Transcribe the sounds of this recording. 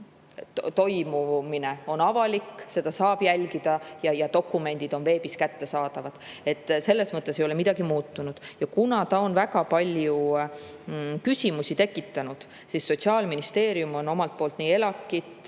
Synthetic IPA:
t̪o̞jmumine̞o̞nɑvɑlikːse̞d̪̥ɑsɑːb̥jælʲɡ̥id̪̥ɑjɑjɑt̪o̞kːˑume̞nd̪̥id̪̥o̞nve̞ːbiskæt̪ːe̞sɑːd̪̥ɑvɑd̪̥e̞t̪ːse̞lːe̞smɤt̪ːˑesejo̞le̞mid̪̥ɑɡ̥imuːt̪ːunud̪̥jɑkunɑt̪ɑo̞nvæɡɑpɑlʲju | kysʲimusit̪e̞kːˑit̪ːˑɑnud̪̥ | sisːo̞t̪siɑːlminist̪e̞ːɾiumo̞no̞mɑlt̪̚poːlt̪ˑniːe̞lɑkːˑit̪

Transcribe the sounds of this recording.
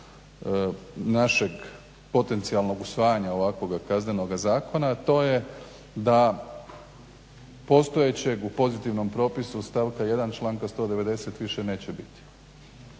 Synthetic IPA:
naʃe̞ɡ | po̞t̪e̞nt̪sialno̞ɡusʋaːjaɲao̞ʋakʋo̞ɡakazne̞no̞ɡazaːko̞nat̪o̞ːje | d̪a | po̞st̪o̞jet͡ɕe̞ɡupo̞zit̪iʋno̞mpɾo̞ːpisust̪aʋkaje̞d̪ant͡ʃlˠaːŋkast̪o̞ːd̪e̞ʋe̞d̪e̞se̞t̪ʋiʃe̞ne̞ːt͡ɕe̞bit̪i̥

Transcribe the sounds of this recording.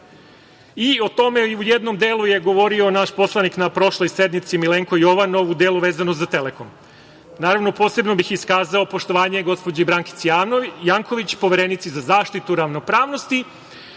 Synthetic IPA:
io̞t̪o̞me̞ujed̪no̞md̪eːlˠuje̞ɡo̞ʋo̞ɾio̞naʃpo̞slˠaniknapɾo̞ʃlo̞jse̞d̪nit̪simileːŋkoio̞ʋano̞ʋud̪e̞ːluʋe̞ːzanoszat̪e̞leko̞m | naːɾaʋno̞po̞ːse̞bnobixiskaːzaopo̞ʃt̪o̞ʋaːɲe̞ɡo̞spod͡ʑaibɾaːŋkit̪sjajaːŋkoʋit͡ɕpo̞ʋeɾenit̪sizazaːʃt̪it̪uɾaʋno̞pɾaːʋno̞st̪i

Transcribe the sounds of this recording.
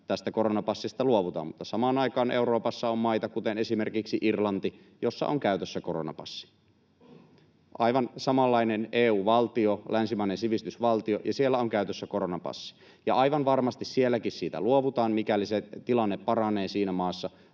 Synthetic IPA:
t̪æst̪ækoɾonɑpɑsːist̪ɑluoʋut̪ɑ̰ːmut̪ːɑsɑmɑːnɑikɑːnʔewɾo̞ːpɑsːɑommɑit̪ɑkut̪ene̞simerkiksiʔirlɑnt̪i | jo̞sːɑ̰ʔoŋkæyt̪øsːækoronɑ̰pɑ̰sːi̥ | ʔɑiʋɑnsɑmɑlːɑineneːuːʋɑlt̪iolænsimæˑinensiʋist̪ysʋɑlt̪iojɑsielːæoŋkæyt̪øsːækoɾonɑpɑ̰sːi̥ | jɑɑiʋɑnʋɑrmɑst̪issielːækissiːt̪æ̰luoʋut̪ɑːnmikæliset̪ilɑnːepːɑrɑneːsiːnæmɑːsːɑ

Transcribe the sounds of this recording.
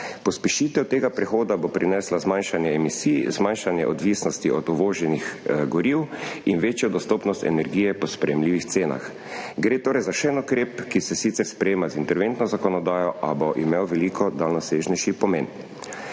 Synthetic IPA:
pɔspɛʃiːt̪ɛwt̪eːɡapɾɛxoːd̪abopɾinɛslazmanʃanjɛːmisiːjzmanʃanjɛ̰ʔɔd̪ʋiːsnɔst̪iʔɔd̪uʋoːʒɛnixɡɔɾiwinʋeːt͡ʃjɔd̪ɔst̪oːpnɔst̪ɛ̰nɛɾɡijɛpɔspɾɛjɛmliːʋixt̪seːna̰x | ɡɾeːt̪oːɾɛjzaʃɛnukɾeːpkisɛsit̪sɛɾspɾɛjeːmazint̪ɛɾʋent̪nɔzakɔnɔd̪aːjɔʔabɔʔimewʋɛliːkʰɔd̪alnɔseːʒnɛjʃipɔmen

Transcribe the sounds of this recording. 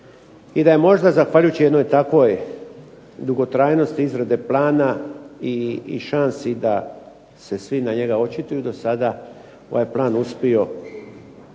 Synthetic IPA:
id̪aje̞mo̞ʒd̪azaxʋaʎujut͡ɕijed̪nojt̪akʋo̞j | d̪uɡo̞t̪ɾaːjno̞st̪iizɾad̪e̞plaːnaiʃansid̪a | se̞sʋinaɲe̞ɡao̞t͡ʃit̪ujuid̪o̞sad̪a | oʋajplˠaːnuspio̞

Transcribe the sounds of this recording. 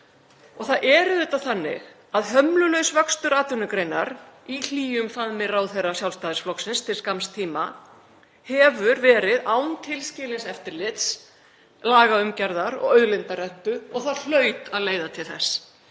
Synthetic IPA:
ɔɣθaðʔɛːɾʏðʏːt̪aθanːɪ̰ɣ | aðɦœmlʏlœɥsvœkst̪ʏɾaːt̪ʏnʏkɾejna̰ɾil̥iːjʏmfaðmɪrawθerːasjawlst̪aːðɪsflɔksɪnst̪ʰɪlskamst̪ʰiːma̰ | hɛːvʏɾvɛːɾɪðaːwnt̪ʰɪlscɪːlɪnsɛft̪ɪɾlɪt̪s | laːɣaʏmcɛɾðaɾɔ̰ɣœɥðlɪnt̪arɛnt̪ʏɔɣθaðl̥œːɥt̪aðleːjðat̪ʰɪlθɛs

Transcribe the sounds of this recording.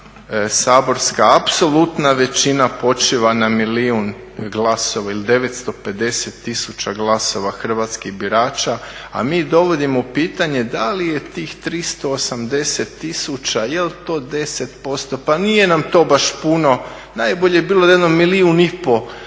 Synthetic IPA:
saːbo̞ɾskaapso̞lˠut̪naʋe̞t͡ɕinapo̞t͡ʃiʋanamiliun | ɡlˠaso̞ʋailid̪e̞ʋe̞t̪st̪o̞pe̞d̪e̞set̪ːisut͡ʃaɡlˠaso̞ʋaxr̩ʋaːt̪skiɣbiɾaːt͡ʃaa̰miːd̪o̞ʋo̞d̪imoupiːt̪aɲe̞d̪alije̞t̪iːxt̪ɾist̪o̞ːsamd̪e̞set̪ːisut͡ʃajelt̪o̞ːd̪e̞set̪po̞st̪o̞panije̞namt̪o̞ːbaʃpuno̞ | najboʎebiːlˠod̪jed̪nomiliunipo̞

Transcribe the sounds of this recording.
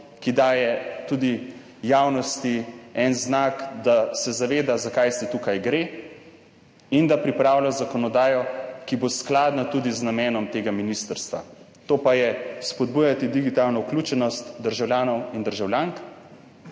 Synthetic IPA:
kid̪aːjɛt̪uːd̪i | jaːwnɔst̪iɛnznakd̪asɛzaʋeːd̪azakajsit̪uːkajɡɾe | ind̪apɾipɾaːwlʲazakɔnɔd̪aːjɔkibosklaːd̪nat̪uːd̪iznamɛːnɔmt̪eːɡaminist̪əɾst̪ʋa̰ | t̪oːpajɛspɔd̪̚buːjat̪id̪iɡit̪aːlnɔuklʲuːt͡ʃɛnɔst̪d̪əɾʒawlʲjaːnɔwind̪əɾʒawlʲjaːŋk

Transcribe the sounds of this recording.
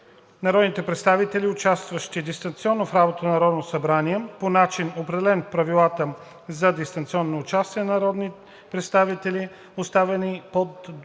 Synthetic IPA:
nɐɾɔd̪nit̪ɛpɾɛt̪st̪avit̪ɛliʊt͡ʃast̪vəʃt̪id̪ist̪ɐnt̪siɔnːofɾabot̪ənɐɾɔd̪nosɐbɾaniɛponat͡ʃinopɾɛd̪ɛlɛnpɾɐvilˠat̪ə | zɐd̪ist̪ɐnt̪siɔnːoːt͡ʃast̪iɛnɐɾɔd̪ni | pɾɛt̪st̪avit̪ɛli | ost̪avɛnipod̪

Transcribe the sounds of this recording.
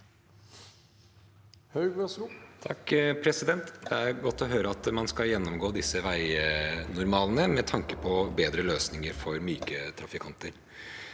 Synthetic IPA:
hœʏɡt̪ʰɑkːpʰɾɛsɪd̪ɛnt̪d̪ɛæɾɡɔt̪ːɔɦøːɾəɑt̪mɑnskɑljɛnːɔmɡoːd̪ɪsːəʋæɪnʊɾmɑːlnəmɛt̪ʰɑŋkəpʰɔbeːd̪ɾəløːsnɪŋəɾfɔɾmyːkət̪ʰɾɑfɪkʰɑnt̪əɾ

